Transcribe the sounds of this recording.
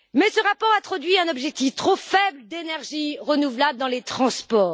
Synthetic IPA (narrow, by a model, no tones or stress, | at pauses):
mɛsəʁapɔʁat̪χɔd̪ɥiɛ̃nɔbʒɛk̚t̪ift̪χofɛbld̪enɛʁʒiʁənuvlabld̪ɑ̃let̪χɑ̃spɔːʁ